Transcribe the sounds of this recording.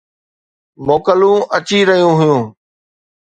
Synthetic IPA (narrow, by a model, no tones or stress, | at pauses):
moːkəlũːʔət͡ɕiɾəɦijũːɦʊjũː